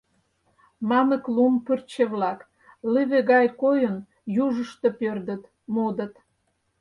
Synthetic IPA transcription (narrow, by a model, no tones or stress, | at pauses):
mɑmə̆klumpyrt͡ɕeβlɑk | liβeɣɑjkojən | juʒəʃt̪opørd̪ə̆t̪ | mod̪ə̆t̪